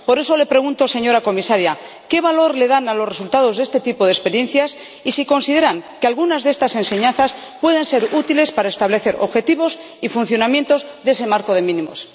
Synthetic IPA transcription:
po̞ɾe̞so̞le̞pɾe̞ɣ̞unt̪o̞se̞ɲo̞ɾako̞misaɾja | ke̞βalo̞ɾle̞ðanalo̞sre̞sult̪að̞o̞zðe̞st̪e̞t̪ipo̞ðespe̞ɾje̞nθjas | isiko̞nsið̞e̞ɾaŋkealɣunazðee̞st̪ase̞nse̞ɲãnθas | pwe̞ð̞e̞nse̞ɾut̪ile̞spaɾaest̪aβle̞θe̞ɾʔo̞βxe̞t̪iβo̞s | ifunθjo̞namjẽ̞nt̪o̞zðese̞maɾko̞ð̞e̞mĩnĩmo̞̰s

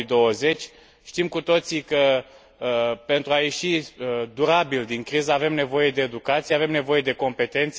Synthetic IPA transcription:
d̪o̞wəze̞t͡ʃʲ | ʃt̪imkut̪o̞t̪sikə | əpe̞nt̪ɾuaje̞ʃiəd̪uɾabild̪iŋkɾizəave̞mne̞vo̞je̞d̪e̞ːd̪ukat̪sijeave̞mne̞vo̞je̞d̪e̞ko̞mpe̞t̪e̞nt̪s

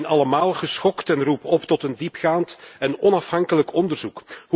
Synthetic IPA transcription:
nɑləmaːlˠχəsxɔktɛnrupɔptɔtəndipχaːntɛnɔnɑfɦɑŋkələkɔndərzukh

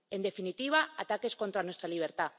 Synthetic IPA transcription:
e̞nd̪e̞finit̪iβ̞aat̪ake̞sko̞nt̪ɾanwe̞st̪ɾaliβ̞eɾt̪a

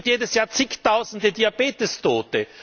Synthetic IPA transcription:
tjeːdəsjaːɐt͡sɪçtaʊzn̩dədiab̥eːtəstʰoːtə

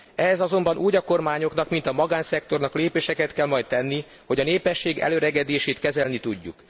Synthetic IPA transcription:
ɛɦɛzɒzo̞mbɒnʔuːɟɒko̞rmaːɲo̞kn̪ɒkmin̪t̪ɒmɒɡaːnsɛk̚t̪o̞rnɒkleːpeːʃɛkɛt̪kɛlmɒjt̪̚t̪ɛnːi | ho̞ɟɒneːpɛʃːeːɡɛ̰løːɾɛɡɛd̪eːʃeːt̪kɛzɛlnit̪uɟːṵk

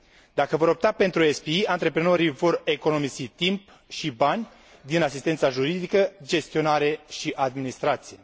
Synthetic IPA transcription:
d̪akəvo̞ɾo̞p̚t̪ape̞nt̪ɾuespiiant̪ɾe̞pɾeno̞ɾivo̞re̞ko̞no̞mizit̪imp | ʃibanʲ | d̪inasist̪e̞nt̪saʒuɾid̪ikəd͡ʒe̞st̪io̞naɾe̞ʃiʔad̪minist̪ɾat̪sije̞

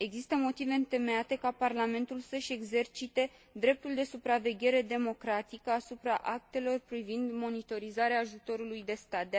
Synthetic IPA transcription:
e̞ɡzist̪əmo̞t̪ive̞ɨnt̪e̞me̞at̪e̞kaparlame̞nt̪ulsəʃʲe̞ɡze̞rt͡ʃit̪e̞ | d̪ɾe̞p̚t̪uld̪e̞supɾave̞ɡʲe̞ɾe̞d̪e̞mo̞kɾat̪ikəasupɾa̰ʔak̚t̪e̞lo̞rpɾivind̪mo̞nit̪o̞ɾizaɾeaːʒut̪o̞ɾulujd̪e̞st̪at̪̚d̪

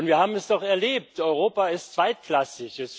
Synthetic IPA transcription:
ʊntviːɐhaːbm̩ɛsd̥ɔχɛɐleːp̚tʰɔʏʁoːpaɪstt͡sv̥aɪt̚kl̥asɪçɛs

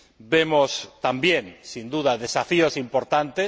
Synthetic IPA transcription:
bemost̪ambjẽŋsind̪uðaðesafiosimpoɾt̪ant̪e

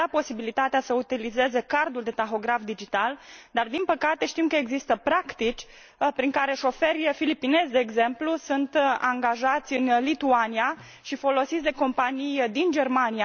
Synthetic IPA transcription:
apo̞sibilit̪at̪easəut̪ilize̞ze̞kard̪uld̪e̞t̪axo̞ɡɾafd̪id͡ʒit̪ald̪ard̪inpəkat̪e̞ʃt̪imkəeɡzist̪əpɾakt̪it͡ʃʲ | pɾiŋkaɾe̞ʃo̞fe̞rʲjfilipine̞zd̪eːɡze̞mplusunt̪aŋɡaʒat̪sʲɨnlit̪uania | ʃifo̞lo̞sit̪sʲd̪e̞ko̞mpanijd̪ind͡ʒe̞rmania

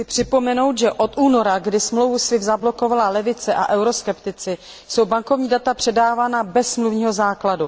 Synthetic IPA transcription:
sɪpr̥ɪpo̞mɛno̞wt̪ʒɛʔo̞t̪uːno̞ɾaɡdɪsmlowvusvɪvzablo̞ko̞valalɛvɪt͡sɛʔa̰ʔɛwɾo̞skɛpt̪ɪt͡sɪ | so̞wbaŋko̞vɲiːdat̪apr̥ɛdaːvaːnabɛsːmluvɲiːɦo̞zaːkladu

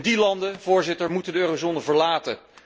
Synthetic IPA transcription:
ndilɑndəv̥ʊːɹzɪtəɹmutəndəøːrozoːnəvəɹlaːtə

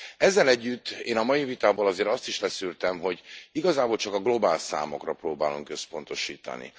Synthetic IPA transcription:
ɛzːɛlɛɟːyt̪ːeːnɒmɒjivit̪aːboːlɒzeːɾɒst̪iʃlɛsyːrt̪ɛmɦo̞ɟiɡɒzaːboːlt͡ʃɒkɒɡlo̞baːlsa̰ːmo̞̰krɒproːbaːluŋkø̞spo̞n̪t̪o̞ʃiːt̪ɒ̰nḭ

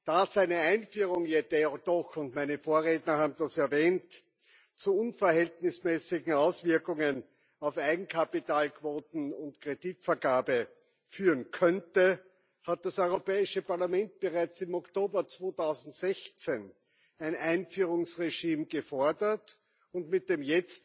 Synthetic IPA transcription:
d̥aːz̥æɪnəæ̃ɪ̃nfyːʁʊŋjedɛd̥ɔxʊntmæɪnəfoːɐʁeːtnɐhaːbm̩d̥asɛɐvɛːnt | t͡suʊnfɐhɛltnɪsmɛːsɪɡŋ̩aʊsv̥ɪɐkʊŋən | ɑʊfaɪɡŋ̩kʰapitaːlkʰv̥oːtn̩ʊntkʁ̥editfɐɡaːbə | fyːʁənkʰœntə | hat̚d̥asɔʏʁopɛːɪʃəpaɐlamɛ̃nt̚b̥əʁaɪt͡sɪmɔktoːbɐt͡sv̥oːtʰaʊzn̩tz̥ɛçt͡sen | æɪnʔãɪnfyːʁʊŋsʁeʃiːmɡəfɔɐdɐt | ʊntmɪt̚d̥eːmjɛt͡st

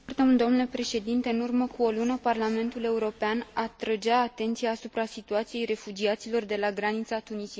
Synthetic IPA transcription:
rt̪əmuld̪o̞mnule̞pɾe̞ʃe̞d̪int̪e̞ɨnurməkuo̞lunəparlame̞nt̪ule̞uɾo̞peanat̪ɾəd͡ʒaːt̪e̞nt̪sijaːsupɾasit̪uat̪sije̞jre̞fud͡ʒiat̪silo̞rd̪e̞laɡɾanit̪sat̪unisi

